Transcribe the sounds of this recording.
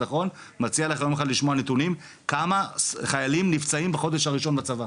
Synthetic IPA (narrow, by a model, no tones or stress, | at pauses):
aχo̞n | mat͡sialeχajomeχadliʃmoanet̪unim | kamaχajalimnift͡saimbaχo̞d̪eʃhaʁiʃo̞nbat͡sava